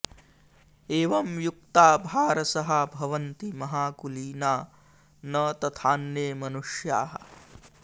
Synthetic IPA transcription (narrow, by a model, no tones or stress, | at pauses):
eːʋɐmjuk̚t̪aːbʱaːɾɐsɐɦɐbʱɐʋɐnt̪imɐɦaːkuliːnaː | nɐt̪ɐt̪ʰaːnjeːmɐnuʂjaːɦɐ̰